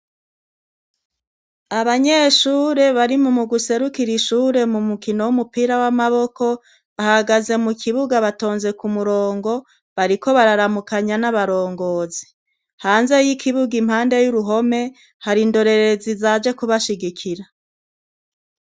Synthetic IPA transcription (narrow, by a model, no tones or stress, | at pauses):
aβaɲe̞ʃuːɾe̞βaɾimumuɡuse̞ɾukiɾiʃuːɾe̞mumukino̞wumupiːɾawamaβo̞ko̞ | βahaɡaze̞mukʰiβuɡaβato̞ːnze̞kumuɾo̞ːŋɡo̞ | βaɾiko̞βaɾaɾamukaɲanaβaɾo̞ːŋɡo̞ːzi̥ | haːnze̞jikʰiβuɡim̥haːnde̞juɾuɦo̞me̞ | haɾindo̞ɾe̞ɾe̞zizad͡ʒe̞kuβaʃiɡikʰiɾa